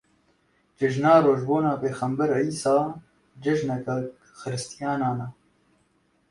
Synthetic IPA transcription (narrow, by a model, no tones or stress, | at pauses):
d͡ʒɪʒnɑːɾoːʒboːnɑːpeːxɛmbɛɾiːsɑː | d͡ʒɪʒnɛkɛ | xɨɾɨst̪ijɑːnɑːnɛ